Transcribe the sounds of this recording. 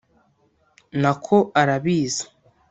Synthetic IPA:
nakʰo̞ʔaɾaβiːzḁ

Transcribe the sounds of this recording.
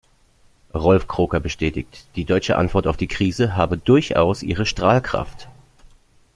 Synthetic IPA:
ʁɔlfkʁ̥oːkɐbəʃtɛːtɪ̰çtd̥iːdɔʏt͡ʃə̰ʔa̰ntv̥ɔɐtaʊfd̥iːkʁ̥iːzəɦaːbədʊɐçʔa̰ʊsʔḭːʁ̞əʃtʁ̥aːlkʁ̥a̰ft

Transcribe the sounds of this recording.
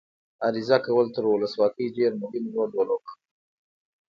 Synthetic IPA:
aɾizakawəlt̪əɾwʊləswɑkəjɖeɾmʊhɪmʒwand̪wəlok

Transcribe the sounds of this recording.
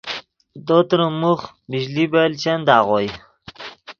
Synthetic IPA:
d̪ot̪ɾəmuχ | miʑlibelt͡ɕand̪aːʁoj

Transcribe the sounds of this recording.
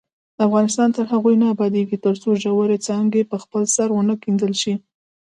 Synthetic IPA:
d̪əafɣɑnɪst̪ɑnt̪əɾɦaɣujnaabɑd̪eɡit̪əɾt͡soʒawaɾet͡sɑŋɡepəxpəlsaɾwənəkind̪əlʃi

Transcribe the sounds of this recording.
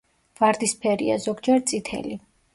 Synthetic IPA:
vaɾd̪ispʰɛɾḭa̰zɔɡd͡ʒɛɾt̪sʼit̪ʰɛ̰li

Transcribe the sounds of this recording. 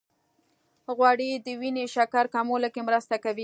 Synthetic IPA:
ɣwɑɽid̪əwineʃakaɾkɑmoləkemɾəst̪akawi

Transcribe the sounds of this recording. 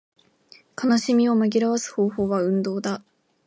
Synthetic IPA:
kanaɕimʲio̞maɡʲiɾaβasɨ̥ho̞ːho̞ːβaɯ̟̃nd̪o̞ːd̪a

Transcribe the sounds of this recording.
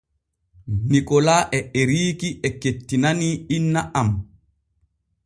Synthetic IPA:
nikɔlaʔɛɛɾiːkiʔɛketːinaniinːaʔam

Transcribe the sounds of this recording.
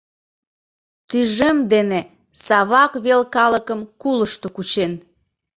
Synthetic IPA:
t̪yʒemd̪ene | sɑβɑkβelkɑləkəmkuləʃt̪okut͡ɕen

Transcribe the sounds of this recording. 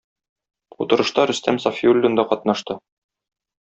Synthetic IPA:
ut̪ɤ̆ɾɤ̆ʃt̪ɑɾɵ̆st̪æmsɒfiulʲːond̪ɑqɒt̪nɑʃt̪ɤ

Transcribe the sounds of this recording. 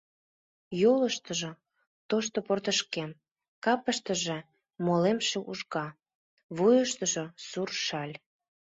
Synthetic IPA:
joləʃt̪əʒo | t̪oʃt̪oport̪əʃkem | kɑpəʃt̪əʒe | molemʃeʔuʒɣɑ | βujəʃt̪əʒosurʃɑlʲ

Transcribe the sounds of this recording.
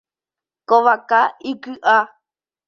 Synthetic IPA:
koʋakaikɨʔa

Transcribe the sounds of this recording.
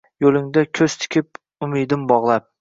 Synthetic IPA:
jolˠɪŋd̪akʲʰɵz̥t̪ʰɪ̥kʲʰɪp̚ | ʊmɪd̪ɪmbɒʁlˠap̚

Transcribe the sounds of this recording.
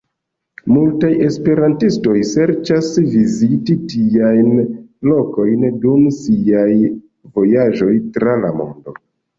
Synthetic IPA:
multaje̞spe̞ɾantisto̞jse̞ɾt͡ʃasvizititiajnlo̞ko̞jndumsiaj | vo̞jaʒo̞jtɾala̰mo̞̰ndo

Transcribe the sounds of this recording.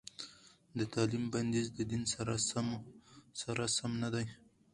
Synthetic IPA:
d̪ət̪ʰɑlimband̪izd̪əd̪insaɾasamsaɾasamnad̪aj

